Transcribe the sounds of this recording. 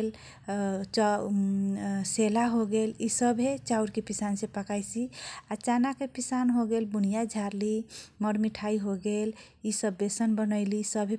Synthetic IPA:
l | t͡ʃ | selaɦoɡelisəbʱɦet͡ʃauɾkepisansẽpəkajsiat͡ʃanakepisanɦoɡelbunijad͡ʒʱaɾliməɾmiʈʰaiɦoɡel | isəbːesənbənəɪlisəbʱe

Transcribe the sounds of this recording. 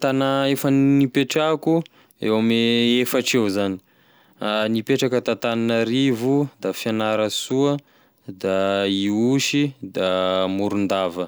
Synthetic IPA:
t̪anaefənnipeʈ͡ʂaku | ḛwameefaʈ͡ʂewzani̥ | anipeʈ͡ʂakət̪at̪ananəɾivud̪afianaɾəsuə | d̪aiuʃid̪amuɾund̪avə

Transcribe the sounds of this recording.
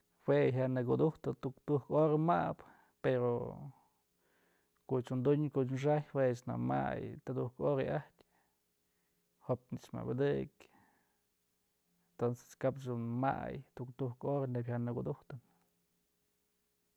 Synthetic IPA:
weɦaʔnɨk̬ud̪uht̪ɨt̪ukt̪uhkoɾamap | peɾo | koʔt͡ʃund̪uɲkoʔt͡ʃmʂ̬aʔjwet͡ʃna̰ma̰jt̪ad̪uhkoɾeaht̪ʲ | hopnit͡ʃma̰ʔbad̪ɨk | ent̪onse̥skapt͡ʃd̪unma̰jt̪ukt̪uhkoɾanebʲhanɨkud̪uht̪ɨn

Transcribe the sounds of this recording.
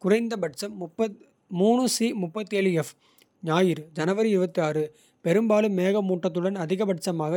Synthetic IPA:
kʊrɐɪnd̪ɐbɐʈt͡ʃɐmːʊpːɐ | muːɳɯsimʊpːɐt̪ːeːɭɯɛf | ɲaːjɪɾɯd͡ʒɐnɐʋɐɾɯɪɾɯbɐt̪ːijaːrɯ | pɛɾɯmbaːlɯmːeːɣɐmuːʈːɐt̪ːɯɽɐnɐðɪɣɐbɐʈ̚t͡ʃɐmaːɣɐ

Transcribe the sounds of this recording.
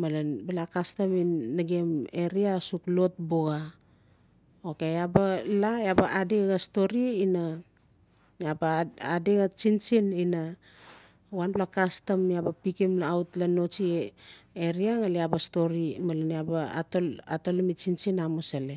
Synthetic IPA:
malanbalakastamiːaɡeme̞ɾiasuklo̞t̚boɡa | oke̞abalajabaʔadeɡasto̞ɾiːna | jabaadeɡat͡ʃint͡ʃinina | wanplakastamiabapikimlaautlano̞t͡ʃi | eɾiaŋaleabasto̞ɾimalaniaba̰toatolamit͡ʃint͡ʃinamosale

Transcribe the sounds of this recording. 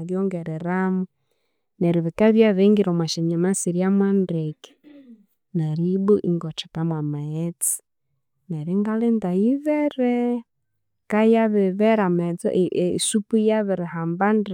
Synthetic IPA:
βjɔŋɡɛɾɛɾamu | nɛɾiβikaβjaβɛŋɡiɾɔmwaʃɛɲamasiɾjamwandɛkɛ̥ | naɾibuʔiŋɡɔt͡ʃḁkamwamaɛt͡si̥ | nɛɾiŋɡalɛndaiβɛɾɛ | kajaβɛβɛɾamɛt͡sɔ̰ʔsupujaβɛɾɪhamband

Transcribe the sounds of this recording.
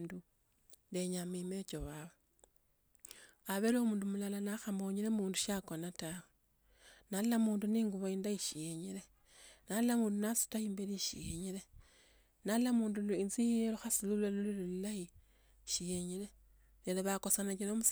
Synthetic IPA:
ndu | ndeɲamimet͡ʃoβawa | aβelomuːndumulalanaxamoɲiɾemuːnduʃakonatawe | nallamuːnduniːŋɡuβoindaiʃijeɲile | nallamuːndunasu̥taiːmbeliʃḭjeɲile | nallamuːnduluint͡sijeluxasilulanilululilai | ʃijeɲile | neleβakosanat͡ʃinomus

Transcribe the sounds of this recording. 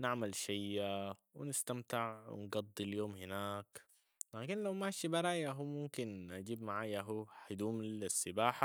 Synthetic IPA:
nɪʕmalʃajːa | wɪnɪst̪amt̪ɪʕwɪ̰nɡɑd̪ˤːiljoːmhɪnaːk | laːkinlawmaʃibaɾˤaːjaɦuːmʊmkinʔad͡ʒiːbmaʕaːjaɦuːħad̪uːmsːɪbaːħa

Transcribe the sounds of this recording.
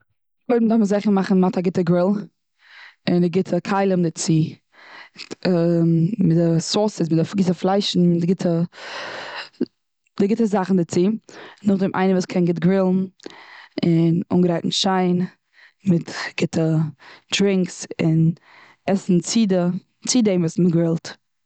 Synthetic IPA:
lɔɪdm̩dafməszɛχəmaχn̩mataɡɪtəɡɾɪlˠ | ɪnɪɡɪtʰəkʰaɪlˠəmdɪt͡si | mɪdɪsɔsɪsmɪdɪfɡɪtəflˠaɪʃn̩mɪɡɪtʰə | d̥ɪɡɪtəzaχn̩dɪt͡siːnʊχdɪmʔa̰ɪnəvuːskʰɛnɡɪtɡɾɪlˠn̩ | ɪnṵŋɡəɾaɪtn̩ʃaɪn | mɪtɡ̥ɪtʰəd̥ɾɪŋksɪn | ɛsn̩t͡sidə | t͡sideɪmvuːsmɪɡɾɪlˠt

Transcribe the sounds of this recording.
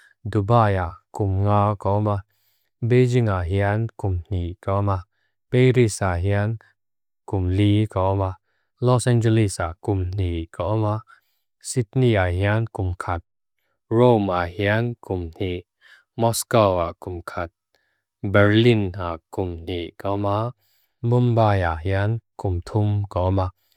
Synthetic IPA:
dubajaʔkumŋawkaʔɔma | bed͡ʒiŋaʔɦiankumn̥iʔkama | pejɾisaɦian | kumlikaɔma | lɔsɛnd͡ʒɛlisaʔkumn̥ikaʔɔma | sit̚niaɦiankʊmkʰat̪̚ | ɹomaʔhiankʊmn̥iʔ | mɔskɔwaʔkʊmkʰat̪̚ | bɛɹlinaʔkʊmn̥iʔkɔma | bʊmbaːjaʔɦiankʊmt̪ʰʊmkɔma

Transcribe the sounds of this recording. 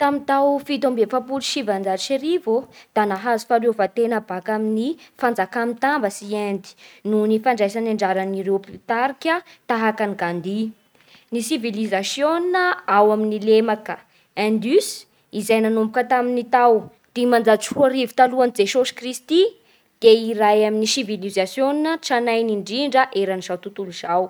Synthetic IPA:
t̪amit̪awfit̪ombefapuluʃivand͡zaʃeɾivod̪̥anaɦazu̥falevat̪enəbakaminifand͡zakamit̪ambəsiend̪i̥nunifaɳɖ͡ʐajsanaɳɖ͡ʐaɾaniɾewpit̪aɾikʲət̪aɦakaniɡand̪i | nisivilizasjoninəawaminilemakə | ɛ̃nd̪ys | izajnanombukət̪aminit̪aw | d̪̥imand͡zat͡suaɾivi̥t̪aluanid͡zesosi̥krist̪i | d̪̥eiɾajaminisivilizasjoninəʈ͡ʂanajniɳɖ͡ʐiɳɖ͡ʐəʔeɾaniz̥awt̪ut̪uluz̥aw

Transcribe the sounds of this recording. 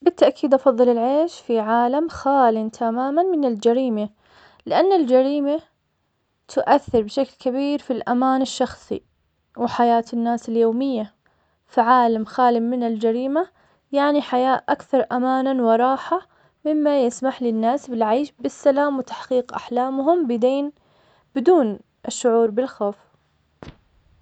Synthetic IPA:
bɪt̪ːaʔkiːd̪ʔɑfɑðˤːɨlɪlʕeːʃfiʕaːlamxaːlɪnt̪ʰamaːmanmɪnɪld͡ʒaɾiːma | lɪʔanːɪld͡ʒaɾiːma | t̪ʰʊʔaθːɪɾbɪʃaklkabiːɾfilʔamaːnɪʃːɑxsˤḭ | wɪħajaːt̪ɪnːaːsɪljoːmɪjːa | faʕaːlamxaːlɪmɪnɪld͡ʒaɾiːma | jaʕniħajaːʔʔakθɑɾˤʔamaːnanwɑɾˤɑːħa | mɪmːajɪsmaħlɪnːaːsbɪlʕajʃbɪsːalaːmwɪt̪ḁħqiːqʔa̰ħlaːmɦʊmbɪd̪eːn | b̥ɪd̪uːn | ʔɪʃːʊʕuːɾˤbɪlxoːf

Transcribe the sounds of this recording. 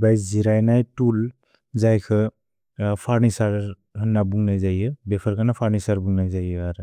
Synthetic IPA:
bajziɾajnajtul | zajkʰɯ | pʰaɾnisaɾ | hʰɯnːabuŋnajzajɯbepʰaɾkʰanapʰaɾnisaɾbuŋnajzajɯaɾɯ

